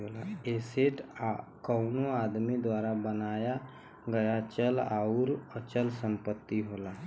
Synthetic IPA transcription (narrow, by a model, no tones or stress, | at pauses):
ɦolaeseʈakəʊnoaːd̪mid̪waɾabənaːja | ɡəjat͡ʃəlaʊɾət͡ʃəlsəmpət̪ːiɦola